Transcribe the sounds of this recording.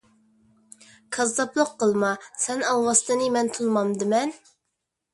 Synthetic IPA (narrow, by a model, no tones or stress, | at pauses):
kʰɑzd̪ɑplˠʊqːəlˠmɑsɛnɑlˠwɑst̪ɨnɨmɛnt̪ʰunmɑmd̪ɨmɛn